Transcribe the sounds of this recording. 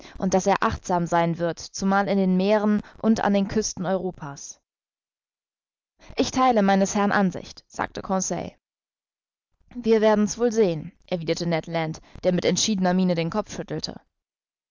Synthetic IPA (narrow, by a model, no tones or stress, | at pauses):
ʔʊntd̥aseːɐʔaχtz̥aːmzaɪnvɪɐtt͡sumaːlɪndeːnmeːʁənʔʊnta̰ndeːnkʰʏstn̩ɔʏʁoːpʰaːs | ʔɪçtʰaɪləmaɪnəshɛɐnʔanzɪ̰çtz̥a̰ːk̚təkʰɔ̃sɛ̰ɪ | viːɐveːɐdn̩sv̥oːlzeːənʔɛɐviːdɐtənɛtlantd̥eːɐmɪtɛntʃiːdənɐmiːnədeːnkʰɔfʃʏtl̩tʰə̰